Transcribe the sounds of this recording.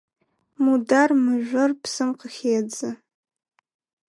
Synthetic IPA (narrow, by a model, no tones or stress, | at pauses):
mudarmɨʒᶣʷɨrpʰsɨmqʰʼəχʲejad͡zɨ